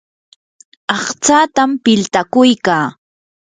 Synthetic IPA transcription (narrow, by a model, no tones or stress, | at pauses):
ɑχt͡saːt̪ampɪlt̪akʊjkaː